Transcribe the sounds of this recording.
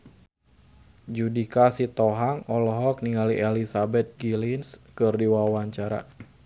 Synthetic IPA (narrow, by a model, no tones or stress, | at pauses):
d͡ʒudikasit̪ɔɦaŋɔlɔɦɔk̚niŋaliʔelisabɛt̪̚ɡilinskɨrdiwaawaɲt͡ʃaɾa̰